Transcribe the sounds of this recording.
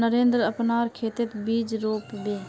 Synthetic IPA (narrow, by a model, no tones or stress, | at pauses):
nəɾeːnd̪ɾəpnaɔɾkʰeːt̪et̪biːd͡ʒɾoːpbeː